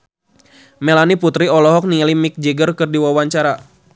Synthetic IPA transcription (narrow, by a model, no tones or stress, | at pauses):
mɛlaniput̪ɾiɔlɔɦɔk̚nilimik̚d͡ʒɛɡərkɨrdiwawaɲt͡ʃaɾa